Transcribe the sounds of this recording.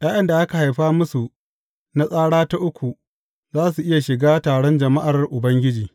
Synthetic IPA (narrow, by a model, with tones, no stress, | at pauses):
j̰aː˦jɐ˦nda˨ʔa˦ka˨ha˨jɸaː˦mʊ˦su˨ | na˦sʼaː˦ɽaː˦ta˦ʔʊ˦kʷʰu˨ | zaː˦s̬u˨ʔɪ˦ja˨ʃɪ˨ɡaː˦taː˨ɽɔ˦nd͡ʒɐ˨ma˦ʔa˨rʔʊ˨bɐ˦ŋɡʲɪ˦d͡ʒiː˨